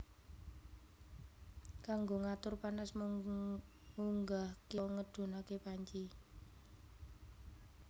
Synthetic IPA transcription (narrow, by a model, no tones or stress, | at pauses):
kaŋɡoŋat̪ʊrpanas | muŋɡahkeŋəd̪̥ṳnakepaɲt͡ʃi